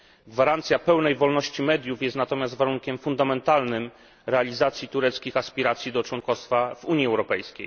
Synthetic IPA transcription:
ɡvaɾant̪sʲjapɛwnɛjvɔlnɔɕt͡ɕimɛd̪ʲjufjɛst̪nat̪ɔmʲjazt̪vaɾuŋkʲɛmfund̪amɛnt̪alnɘm | ɾɛalʲizat̪sʲjit̪uɾɛt̪skʲixaspʲiɾat̪sʲjid̪ɔt͡ʂwɔnkɔst̪favuɲjiɛwɾɔpɛjskʲḛj

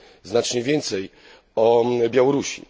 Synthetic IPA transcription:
znat͡ʂɲɛvʲjɛnt̪sɛj | ɔbʲjawɔɾuɕḭ

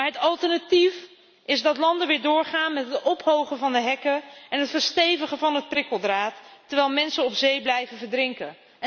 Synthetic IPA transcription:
aɹɦətɑlˠtəɹnatif | ɪzdɑtlɑndəʋɪːɹdʊːɹχaːnmɛtɦətɔpɦowχəvɑndəɦɛkəɛnɦətfəɹstejvəχəvɑnɦət̚prɪkəlˠdraːtːəɹʋɛjlˠmɛnsənɔpzejblɛjvəvəɹdrɪŋkə

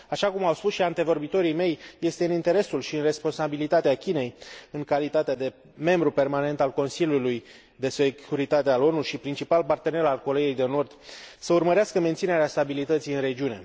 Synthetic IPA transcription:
aʃakumawspusʃiant̪e̞vo̞rbit̪o̞ɾime̞jje̞st̪eɨnint̪e̞ɾe̞sulʃiɨnre̞spo̞nsabilit̪at̪eakʲine̞jɨŋkalit̪at̪ead̪e̞ | me̞mbɾupe̞rmane̞nt̪alko̞nsiljuluj | d̪e̞se̞kʰuɾit̪at̪ealo̞nuʃipɾint͡ʃipalpart̪e̞ne̞ɾalko̞ɾe̞jejd̪e̞no̞rd̪səurməɾeaskəme̞nt̪sine̞ɾeast̪abilit̪ət̪sijɨnre̞d͡ʒiune̞

